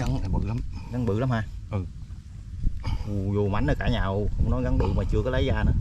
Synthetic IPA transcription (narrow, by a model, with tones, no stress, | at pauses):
a˨˦na˨˩ɓɨ̰˧˨la˨˦mɣa˨˦ŋɓɨ̰˧˨la˨˦mhaː˧ʔɨ˨˩ | ʔu˨˩zu˨˩ma̰˨˩˦nə˧kaː˧˩ɲaː˨˩wkʊ̰˧˥wŋ͡mnɔ˨˦ɣa˨˦nɓɨ̰˧˨maː˨˩t͡ɕɨ˧əkɔ˨˦lə˨˦jzaː˧nəː˨˦